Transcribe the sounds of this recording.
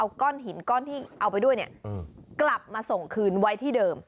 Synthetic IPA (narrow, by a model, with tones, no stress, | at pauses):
ʔa˧wkɔː˥˩nɦi˩˦nkɔː˥˩nt̪ʰiː˥˩ʔa˧wpa˧jdu˥˩əjni˥˩ɐkla˨˩p̚maː˧so˨˩ŋkʰɯː˧nwa˦˥jt̪ʰiː˥˩dɤː˧m